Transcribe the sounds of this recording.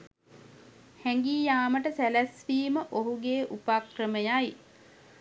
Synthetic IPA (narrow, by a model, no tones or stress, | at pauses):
hɛŋɡiːjaːməʈəsælæsʋiːməʔoɦuɡeːʔupakrəməjaj